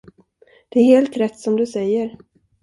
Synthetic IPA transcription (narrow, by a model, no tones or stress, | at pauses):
d̪̥ɛæɾheːlt̪ɾɛt̪ːsɔmd̪ɵsɛjːəɾ